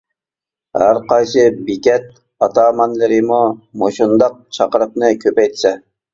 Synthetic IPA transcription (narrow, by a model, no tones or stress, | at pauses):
hæɾqɑjsɨbikʲɛt̪̚ | ɑt̪ʰɑːmɑnlɪɾɪmumoʃund̪ɑq̚t͡ʃʰɑqəɾɨp̚nɨkʲʰøpɛjt̪ʰɪ̥sɛ